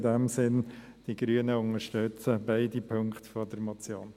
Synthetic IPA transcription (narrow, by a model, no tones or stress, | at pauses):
dɛmsɪn | d̥iɡɾyːənəʊŋəʃtʏt͡səbaɪdipʰøŋkχtfɔdəɾmɔt͡sjoːn